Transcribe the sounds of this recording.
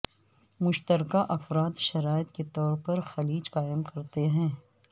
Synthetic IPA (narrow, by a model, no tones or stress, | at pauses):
mʊʃt̪əɾkaʔɐfɾaːd̪ʃɐɾaːɪt̪ket̪ɔːɾpɐɾxɐliːd͡ʒqaːɪəmkɐɾt̪eɦɛ̃ː